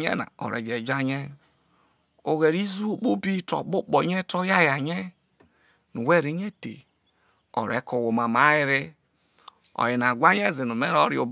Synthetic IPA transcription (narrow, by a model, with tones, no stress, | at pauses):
ɲɛ̰˦na̰˨ɔ̰˨ɾɛ̰˨d͡ʒe˨d͡ʒa˦ɲɛ˦ | o˨ɣe˨ɾi˦zu˦k͡po˦bi˦to̰˨k͡po˦k͡pɔ˨˦ɲɛ˦tɔ˦ja˦ja˨ɲɛ˦ | nu˨we˦˨ɾi˨˦ɲe˦tḛ˨ | ɔ̰˨ɾɛ˦ko˨wo˨ma˨ma˨˦ji˦ɾe˦ | ɔ̰˨ji˨na˨ɡʷa˦ɲ˦ɛ˦˨zi˨nu˨me˦ɾɔ˦ɾi˦o˨b